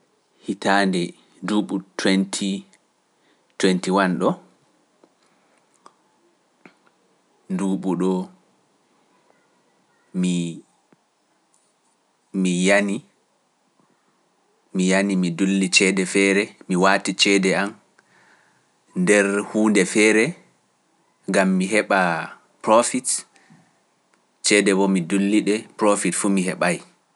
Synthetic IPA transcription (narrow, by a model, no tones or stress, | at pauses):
hitaːndɛ | duɓutʰwɛntʰi | twɛntiwanɗɔ | duɓuɗɔ | mi | mijani | mijanimidulːit͡ʃɛdɛfɛɾɛmiwaːtit͡ʃɛdɛam | ndɛɾhuːndɛfɛːɾɛ | ŋɡamːiɦɛɓa | pɾofit | t͡ʃɛdɛbɔmidulːiɗɛpɾofitfumiɦɛɓaj